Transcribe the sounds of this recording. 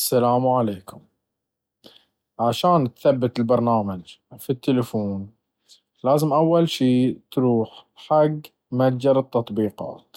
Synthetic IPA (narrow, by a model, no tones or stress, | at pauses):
asːalaːmʕaleːkʊm | ʕaʃaːnt̪θabːɪt̪ɪlbɑɾˤnaːmad͡ʒfit̪ːɪlɪfuːn | laːzɪmʔawːalʃiːt̪ɾuːħħaɡ | mad͡ʒɑɾɨt̪ːɑt̪ˤbiːqɑ̰ːt̪